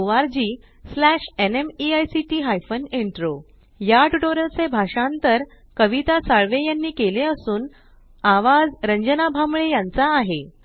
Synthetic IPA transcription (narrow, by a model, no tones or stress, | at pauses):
ʋaɾd͡ʑiː | slæʂenemiajsiʈiːɦajfəneɳʈɾo | jaʈuʈoɾəlt͡sebʱaʂãnt̪əɾ | kəʋit̪asaɭʋejanːiːkeleəsuːn | aʋad͡zɾəɲd͡ʑənabʱamɭejant͡saːɦe